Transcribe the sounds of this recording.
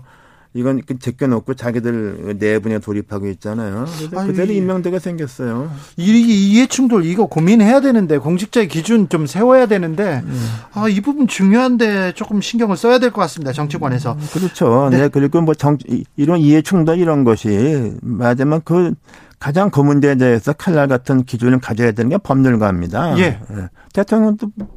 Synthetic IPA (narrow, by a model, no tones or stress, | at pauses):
iɡʌnkɯt͡ɕek͈jʌnok͈ot͡ɕaɡidɯɭɯ̰ne̞buɲetoɾipʰaɡoit̚t͡ɕ͈anajoaɯtːeɾoimːjʌŋdeɡasʰe̞ŋɡjʌs͈ʌjoiet͡ɕʰuŋdoɾɯɭiɡʌkominɦe̞jadwe̞nɯnde̞koŋɕʰik̚t͡ɕ͈aekid͡ʑunt͡ɕomsʰe̞wʌjadwe̞nɯnde̞aibubunt͡ɕuŋjoɦande̞t͡ɕ͈ok͈ɯmɕʰinɡjʌŋɯɭs͈ʌjadwe̞ɭk͈ʌk͈as͈ɯmɲidat͡ɕʌŋt͡ɕʰiɡwane̞sʰʌkɯɾʌt͡ɕʰonekɯɾiɡomʌt͡ɕʌŋiɾʌniɦe̞t͡ɕʰuŋdoiɾʌnɡʌɕʰimad͡ʑamjʌnkɯ | kad͡ʑaŋkʌmundedeesʰʌkʰaɭːaɭɡatʰɯnkid͡ʑunɯɭkad͡ʑʌjadwenɯnɡepʌmɲuɭɡwaɦamɲidaje̞ḛ | tetʰoŋʌndo